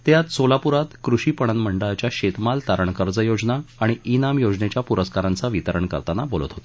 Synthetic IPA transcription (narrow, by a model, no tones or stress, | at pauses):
t̪jat̪solapuɾat̪kɾuɕiːpəɳ̃ənməɳɖəɭat͡ɕjaɕet̪malt̪aɾəɳkəɾd͡zəjod͡znaːɽ̃iinamjod͡znet͡ɕjapuɾəskaɾant͡saʋit̪əɾəɳkə̰ɾt̪anabolət̪ɦot̪o̥